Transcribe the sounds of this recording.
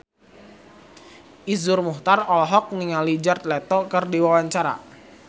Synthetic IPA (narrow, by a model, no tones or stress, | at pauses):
ʔizʊrmuht̪arɔlɦɔk̚niŋalid͡ʒart̪̚lɛt̪ɔkɨrdiwawaɲt͡ʃaɾa̰